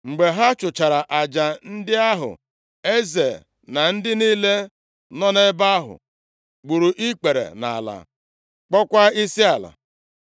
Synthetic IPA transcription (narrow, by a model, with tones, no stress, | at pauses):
ŋ͡m̩˨ɡ͡be˨ɦa˦t͡ʃʊ˨t͡ʃa˨ɾa˨ʔa˨d͡ʒa˨n̩˦dɪ˦a˦ɦʊ̰˨ | e˦ze˨ | na˨n̩˦dɪ˦niː˦le˦ | nɔ˦ne˦ba˦ɦʊ̰˨ | ɡ͡bu˨ɾu˨ʔi˦k͡pe˨ɾḛ˨na̰˨a̰˨la̰˨ | k͡pɔ˦kʷa˦i˦si˦a˨la̰˨